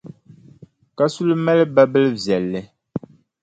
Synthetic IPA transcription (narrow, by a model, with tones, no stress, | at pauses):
ka˦su˦lmɛ˦lba˦bə˦lvjɛ˨lːɛ˨